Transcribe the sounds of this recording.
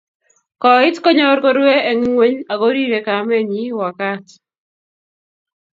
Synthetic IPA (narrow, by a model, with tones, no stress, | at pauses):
kɔ˨ɪ˦tkɔ˦ɲɔ˦ɾko˦ɾwe˦e˨ŋi˦ŋwe˦ɲa˨ɡo˦ɾi˦ɾe˨ka˨˦mɛ˦ɲi˦wa˨ka˦t